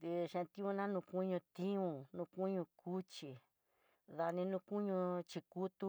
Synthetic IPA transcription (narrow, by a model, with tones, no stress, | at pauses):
d̪i˧ʃẽ˧t̪ĩ˦ũ˧nã˦nũ˧ku˦ɲũ˧t̪ĩ˦ũ˧˨nũ˧ku˦ɲũ˧kʰu˦t͡ʃi˨ | ða˧nĩ˧nũ˧ku˦ɲũ˧t͡ʃi˧ku˦t̪u˧